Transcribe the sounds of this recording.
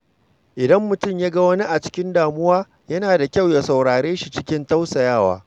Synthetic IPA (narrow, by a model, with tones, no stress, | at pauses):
ʔɪ˨dɐ˦mːʊ˨tʊ˦˨mjaː˦ɡɐ˦wɐ˦ni˦ʔa˨t͡ʃɪ̥˦kʲɪ˦ndaː˨mʊ˦waː˦ | jɐ˦naː˨da˨kʲa˦˨wja˨sa˨wɽaː˨ɽeː˦ʃi˨t͡ʃɪ˦kʲɪ˦nta˦wsa˨jaː˦˨wa̰ː˨